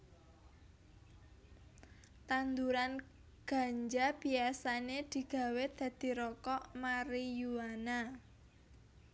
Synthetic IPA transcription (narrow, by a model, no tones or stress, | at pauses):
t̪and̪uɾan | ɡ̥a̤ɲd͡ʒab̥i̤asaned̪̥i̤ɡ̥ä̤wed̪̥ä̤d̪̥i̤ɾɔkɔʔmaɾijuwana